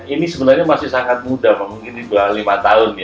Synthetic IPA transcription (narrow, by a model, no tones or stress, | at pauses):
inisəbənarɲamasɪhsaŋat̪̚mudamamuŋkɪndibəlalimat̪aʊnja